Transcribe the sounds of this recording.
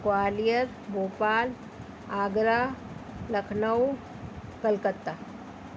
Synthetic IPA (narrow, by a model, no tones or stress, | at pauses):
kwaːlijəɾ | boːpaːl | aːɡɾaː | lɐkʰnəw | kɐlkət̪ːa